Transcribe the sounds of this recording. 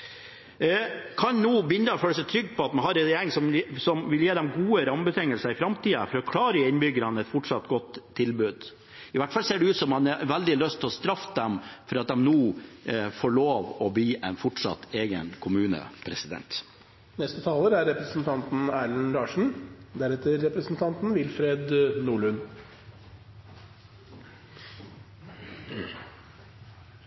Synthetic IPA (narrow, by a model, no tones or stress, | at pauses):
kʰɑnnuːbʏnd̪əɔføːɽəsɛɪt̪ʰɾʏɡːpʰɔɑt̪mɑnɦɑɾɛɾjeːɾɪŋsɔmsɔmʋɪljeːd̪ɛmɡuːəɾɑmbət̪ʰɛŋːəlsəɪfɾɑmt̪ʰiːəfɔɾɔkʰlɑːɾəɪnbʏɡəɾɑnəɛt̪fɔʈʂɑt̪ːɡɔt̪ʰːɪlbʉːd̪ | ɪʋæʈfɑlseːɖɛʉːt̪sɔmɑnɛʋæld̪ɪlœst̪ʰːɛlɔst̪ɾɑfːd̪ɛmfɔɾɑt̪̚d̪ɛmnuː | foːɭoːʋɔbliːʔɛɪnfɔʈʂɑ̰t̪ːeːɡə̰nkʰʊmʉːnə̰pʰɾɛsɪd̪ɛ̰nt̪ | nɛst̪ət̪ʰɑːləɾæɾɛpɾəsn̩t̪ʰɑnt̪n̩æːɭnɾɑːʂɳ̩d̪æɾɛt̪əɾːɛpɾəsn̩t̪ʰɑnt̪n̩ʋɪlfɾeːd̪nuːɭʉn